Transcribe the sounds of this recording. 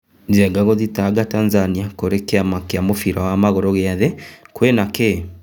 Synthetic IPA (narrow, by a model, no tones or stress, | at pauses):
ziɛɡaɣoðitaɡataːnzaniakoɾekeamakeamofiɾawamaɣɔɾɔɣeaðekwenake